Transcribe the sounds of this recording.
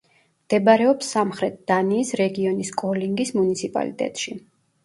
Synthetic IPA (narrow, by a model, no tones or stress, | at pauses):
md̪̥ɛbaɾɛɔpsːamχɾɛt̪̚d̪̥aniːsɾɛɡiɔniskʼɔliŋɡismunit̪sʰipʼa̰lḭt̪ʼɛ̰t̪ʼʃi